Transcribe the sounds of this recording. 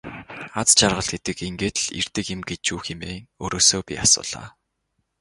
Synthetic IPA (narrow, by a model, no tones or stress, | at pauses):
at͡st͡ɕarʁə̆ɮɡet̪ɘ̆keŋɡeːt̪ɮḭr̥t̪ɘ̆kɪ̆mɡet͡ɕuːxemeːŋoːɾoːsoːpʲḭasʊ̰ːɮ̥a̰ː